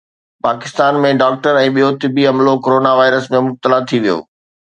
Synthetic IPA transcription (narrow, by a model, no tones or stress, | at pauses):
paːkɪst̪aːnmẽɖaːk̚ʈəɾɛ̃ːɓijot̪ɪbiɐmlokoːɾoːnaʋaːɪɾəsmẽmʊb̚t̪əlat̪ʰiʋijo̰ː